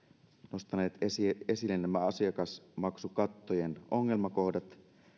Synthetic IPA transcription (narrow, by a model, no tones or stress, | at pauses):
no̞st̪ɑne̞ːt̪se̞silːennæmæɑsiɑkɑsmɑksukɑt̪ːojeno̞ŋːe̞lmɑko̞hdɑt̪